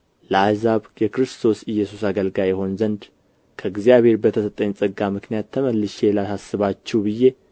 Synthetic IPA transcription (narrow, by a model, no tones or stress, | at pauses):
ləazaβjɛkɾɨst̪ʰo̞sɨjːɛsusaɡəlɡajɛɦo̞nzənd̪ | kʰəɨɡzijaβhe̞ɾbət̪ʰəsət̪ʼːəɲsʼəɡamɨknijat̪ʰːəməlːɨʃelasasːɨβat͡ʃːɛwbɨje